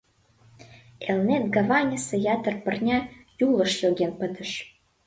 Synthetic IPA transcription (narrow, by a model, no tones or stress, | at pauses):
elnet̪̚ɡɑvɑnʲəsejɑt̪ərpə̆rnʲɑjulə̆ʃloɣenpə̆d̪ə̆ʃ